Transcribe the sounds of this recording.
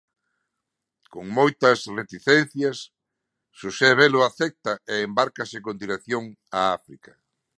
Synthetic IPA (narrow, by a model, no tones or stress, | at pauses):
koŋmojt̪ɐsret̪iθɛn̟θjɐsː | useβelʊaθɛk̚t̪ɐeːmbaɾkasɪkond̪iɾeθjoŋ | aafɾikɐ